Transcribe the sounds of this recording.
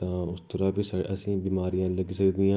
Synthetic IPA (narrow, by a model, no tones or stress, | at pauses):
t̪ãːʊst̪əɾaːbiːsaʔəsĩːbiːmaːɾijãːləɡiːsəkd̪iːãː